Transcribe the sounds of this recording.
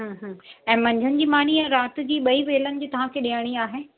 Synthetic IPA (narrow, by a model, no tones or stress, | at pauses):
ɦə̃ːɦə̃ːɛ̃ːmɐ̃ɲd͡ʑʱənɪ̆d͡ʑiːmaːniɛɾaːt̪̆d͡ʑiːɓɐiʋeːlənɪ̆d͡ʑiːt̪ɐʋ̤ãkʰeːɗijəɽ̃iaːɦeː